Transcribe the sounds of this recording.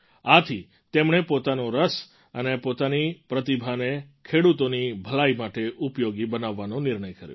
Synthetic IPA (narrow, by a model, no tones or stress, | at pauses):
at̪ʰi | t̪emɳepot̪anoɾəs | ənepot̪anipɾət̪ibʱane | kʰeɽut̪onibʱəlaimaʈeʔupjoɡibənaʋːanõnɪɾɳəjkəɾjo̰